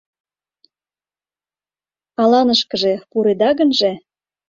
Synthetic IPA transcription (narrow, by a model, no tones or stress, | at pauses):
ɑlɑnəʃkə̆ʒĕpuɾed̪ɑɣənʒĕ